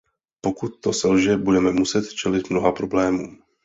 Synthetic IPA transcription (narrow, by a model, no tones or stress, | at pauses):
po̞kut̪̚ːo̞sɛlʒɛbudɛmɛmusɛt̪t͡ʃɛlɪt̪mno̞ɦapɾo̞blɛːmuː